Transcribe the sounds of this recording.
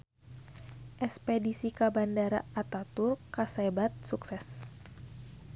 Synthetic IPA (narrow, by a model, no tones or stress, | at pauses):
ʔɛspedisikabandaɾa̰at̪at̪urkasebat̪̚suksɛs